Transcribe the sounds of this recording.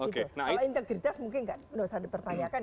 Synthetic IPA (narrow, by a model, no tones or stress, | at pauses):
oikeunaaaint̪əɡɾit̪asmuŋkɪnkandosadipərt̪aɲakan